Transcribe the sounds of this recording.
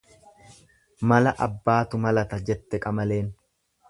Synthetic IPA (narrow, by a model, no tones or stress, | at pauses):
mɐlɐʔɐbːaːt̪ʊmɐlɐt̪ɐd͡ʒɛt̪ːɛkʼɐmɐle̞ːn